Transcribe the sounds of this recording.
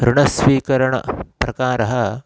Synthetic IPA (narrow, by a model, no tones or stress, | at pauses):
ɾuɳɐsʋiːkɐɾɐɳɐ̰pɾɐkaːɾɐɦɐ